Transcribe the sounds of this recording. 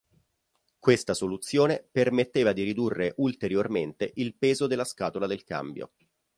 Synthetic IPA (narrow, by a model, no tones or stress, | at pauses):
kwest̪asolut̪sːjoːnepermet̪ːeːvad̪iɾid̪urːeʔult̪eɾjorment̪eʔilpeːzod̪elːaskaːt̪olad̪elka̰mbjo̰